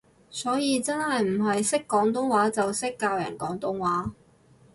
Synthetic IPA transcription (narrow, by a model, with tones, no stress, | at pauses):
sɔː˨˥jiː˨˧t͡sɐ˥nhɐ˨jm̩˨˩ɦɐ˨jsɪ˥kːɔː˨˥ŋt̪̬ʊ˥ŋwaː˨˥t͡sɐ˨wsɪ˥kːaː˧wjɐ̰ː˨˩nkɔː˨˥ŋt̪ʊ˥ŋwaː˨˥